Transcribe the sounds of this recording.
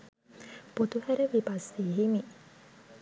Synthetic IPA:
put̪uhæɾeʋipasiːɦimi

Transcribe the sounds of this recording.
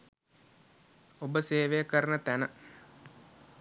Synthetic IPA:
obəseːʋejəkəɾənət̪ænə

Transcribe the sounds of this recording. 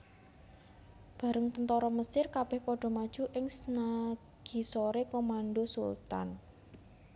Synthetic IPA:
b̥a̤ɾəŋt̪ənt̪ɔɾɔməsɪrkab̥ɛ̤hpɔɖ̥ɔ̤mad̥ʒ̥ṳʔɪŋsəna | ɡ̥i̤soɾekomanɖosṵlt̪a̰n

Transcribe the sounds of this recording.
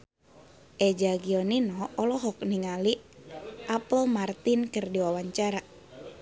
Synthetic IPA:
ʔɛd͡ʒaɡiɔninɔɔlɔɦɔk̚niŋali | ʔapəlmart̪inkərdiwawaɲt͡ʃaɾa

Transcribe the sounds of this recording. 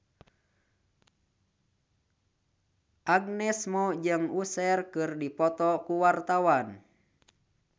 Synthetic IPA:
ʔaɡnɛsmɔd͡ʒɨŋusɛrkɨrdipɔt̪ɔkuwart̪awan

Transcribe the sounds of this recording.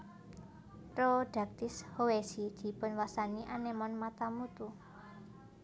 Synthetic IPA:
pɾod̪̥a̤k̚t̪ɪshowesid̪̥i̤pʊnwasaniʔanemɔnmat̪amut̪u

